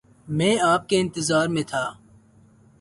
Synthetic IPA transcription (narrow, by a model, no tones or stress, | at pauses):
mẽːaːp̚keɪ̃nt̪ɪzaːɾmẽːt̪ʰaː